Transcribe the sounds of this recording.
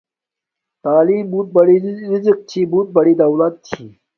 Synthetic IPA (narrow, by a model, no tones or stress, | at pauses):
t̪aːliːmbuːt̪̚bɐɽiɾizk̚t͡ɕʰiːbuːt̪̚bɐɽiːd̪ɐwlat̪̚ːʰiː